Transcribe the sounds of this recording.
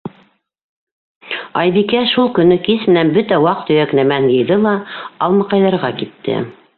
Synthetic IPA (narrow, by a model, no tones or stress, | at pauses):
ɑjβikæʃulˠkɵ̆nːɵkismɘ̆nænbɵt̪æwɑq̚t̪ɵ̆jæknæmænjɤ̆jðɤlˠɑɑlˠmɤqɑjðɑɾʁɑkit̪ːɘ̰